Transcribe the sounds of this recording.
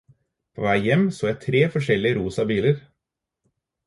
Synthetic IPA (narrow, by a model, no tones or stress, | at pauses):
pʰo̰ːʋæɪjɛmsoːjæɪt̪ʰɾeːfɔʂɛlɪəɾuːsɑbiːləɾ